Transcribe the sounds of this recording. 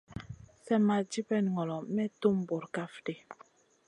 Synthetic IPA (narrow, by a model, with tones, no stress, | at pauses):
sɛ˦ma˨d͡ʒi˦pɛ˦˨n˨ŋɔ˨lɔ˨mɛ˦tu˦mbo˨ɾka˦fde˨